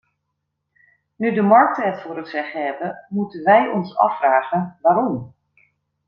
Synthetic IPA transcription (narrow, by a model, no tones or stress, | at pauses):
nydəmɑɹk̚təɦɛtfʊːɾətsɛχəɦɛbəmutənʋɛjʔɔnsɑ̰fraːχənʋaːɾɔm